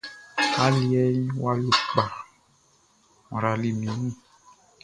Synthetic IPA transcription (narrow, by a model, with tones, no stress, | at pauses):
ka˨˦li˦ɛ˦ɲĩ˦wa˦li˦k͡pa˨ | mɔ̃˨ɾa˨li˨mĩ˨˦ĩ˦˨